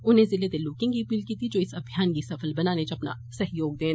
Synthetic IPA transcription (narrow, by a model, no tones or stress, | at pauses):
ʊnɦẽzɪlet̪eloːkɪ̃ŋɡkiɐpiːlkiːt̪ʰid͡ʒoːɪsɐbʱjaːnkisɐfəlbɐnaːnet͡ʃɐpna̰ | sɐɦjoːɡ̚d̪ẽːn